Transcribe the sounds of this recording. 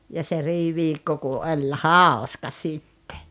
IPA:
jɑ se riːʋiːkːo ku olʲ hɑˑoskɑ sitːe

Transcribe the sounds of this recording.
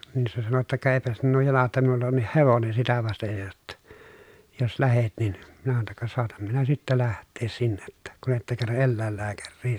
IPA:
nin se sɑno jotːɑ kɑ eˑi̯pæ sinːuː jɑlɑ tːɑ minulːɑ onːih heʋonen̞ sitæ ʋɑstej jo jotːɑ jos læhet nin minæ sɑno tːɑ kɑ soɑtɑm minæ sitːæ læhtˑeːs sinːe tːæ kun etːæ kerːɑ ʔelːæˑelːæːkærːiː

